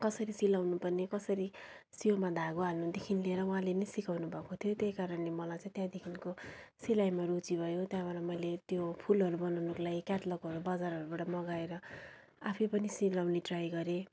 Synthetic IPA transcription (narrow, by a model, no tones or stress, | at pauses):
kʌsʌɾisilawnupʌrnekʌsʌɾi | siomad̪ʱaɡoɦalnud̪ekʰinlieɾʌw̃ɦãlenʌjsikawnubʱʌkot̪ʰijot̪ejkaɾʌnlemʌlajt͡sãĩt̪jãd̪ekʰinkosilajmarut͡sibʱʌjot̪jãbaɾamʌjlet̪jopʰulʌɾubʌnawnuklajkjaʈlʌkɦʌɾubʌd͡zaɾɦʌɾubaʈʌmʌɡaeɾʌ | a̰pʰipʌnisilawniʈrajɡʌɾe